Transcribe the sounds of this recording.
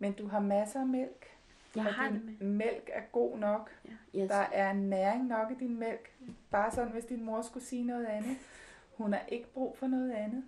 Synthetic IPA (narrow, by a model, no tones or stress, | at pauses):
mend̥uɦɑ̈mæsəæmel̰ɡ̥ | ɒnmel̰ɡ̥æɐɡ̥o̝̰ːnɒ̽ɡ̥d̥ɑ̈ʔæɐe̝nːæɐeŋnɒ̽ɡ̥id̥inmel̰ɡ̥b̥ɑ̈ːsɒ̽d̰n̩ʋe̝sd̥inmo̝ɐsɡ̥usiːnɔ̽ːð̞̩ˠænð̩ˠ | hunhɑ̈ʔe̝ɡ̥əb̥ʁṵːfɒ̽nɔ̽ːð̞̩ˠænð̩ˠ